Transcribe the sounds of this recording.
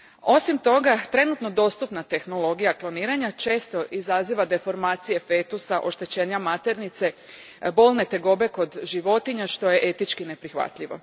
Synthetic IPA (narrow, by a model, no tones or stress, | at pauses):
o̞simt̪o̞ɡat̪ɾe̞nut̪no̞d̪o̞ːst̪upnat̪e̞xno̞lˠo̞ɡijaklo̞niːɾaɲat͡ʃe̞ːst̪o̞ʔizaziʋad̪e̞fo̞ɾmaːt̪sije̞fe̞t̪usaʔo̞ʃt̪e̞t͡ɕeːɲamat̪e̞ɾnit̪se̞ | bo̞ːlˠne̞t̪e̞ɡo̞be̞ko̞d̪ʒiʋo̞t̪iɲaʃt̪o̞je̞ʔe̞t̪it͡ʃkine̞pɾixʋa̰t̪ʎiʋo̞̰